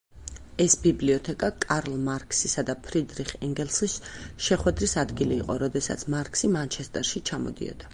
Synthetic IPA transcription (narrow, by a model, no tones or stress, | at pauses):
ɛsbibliɔt̪ʰɛkʼakʼaɾlˠmaɾkʰʼsisad̪apʰɾid̪ɾiχɛŋɡɛlˠsisʃɛχwɛd̪ɾisad̪ɡiliːqʼɔɾɔd̪ɛsa̰t̪sʰmaɾkʰʼsimant͡ʃʰɛst̪ʼɛɾʃit͡ʃʰamɔ̰d̪ḭɔ̰d̪̥a